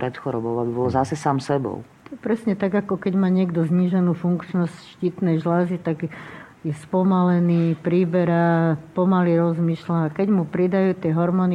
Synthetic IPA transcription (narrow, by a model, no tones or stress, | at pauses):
pɾɛt̪xɔɾɔbɔʊabibɔlzasɛsaːmsɛbɔ̰ʊɔɛpɾɛsɲɛt̪aɡakɔkɛɟmaːɲɪɛɡd̪ɔzɲiːʒɛnuːfuŋkt͡ʃnɔscʃciːt̪nɛjʒlazit̪aɡ | jɛspɔmalɛniːpɾiːbɛɾapɔmaliɾɔzmiːʃlaːkɛɟmupɾid̪ajuːt̪ɪɛɦɔɾmɔːni